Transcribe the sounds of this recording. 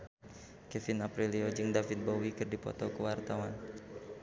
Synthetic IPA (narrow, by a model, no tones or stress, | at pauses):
kɛfɪnapɾiliod͡ʒɨŋdafɪt̪̚bowikɨrdipɔ̰t̪ɔkəwart̪awan